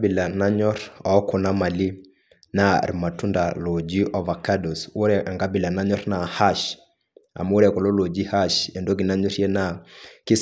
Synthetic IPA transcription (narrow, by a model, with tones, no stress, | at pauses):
bi˨la˨na˦ɲɔ˦ɾɔ˨ɔ˦kɔ˨na˦ma˨li˦ | na̰˦˨ɾma˨tu˦nda˨lo˨d͡ʒi˦ʔɔ˦va˨ka˦do˨swo˦ɾɛ˨ʔa˨ŋɡa˦bi˨la˨na˦ɲɔ˦ɾna˨ha˦ʃ | a̰˨m˦o˦ɾɛ˨kɔ˨lo˦lo˨d͡ʒi˦ha˦ʃɛ˨ndo˦ɡi˨na˦ɲo˦ɾje˦na˨ki˦s